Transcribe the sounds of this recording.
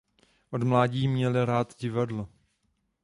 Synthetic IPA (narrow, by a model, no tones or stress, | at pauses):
ʔodmlaːɟiːmɲɛlɪɾaːt̪ɟɪvadlo